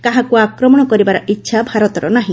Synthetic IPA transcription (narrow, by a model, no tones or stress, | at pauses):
kaɦãkuakɾɔmɔɽ̃ɔkɔɾibaɾɔʔitːʃʰabʱaɾɔt̪ɔɾɔnaɦĩ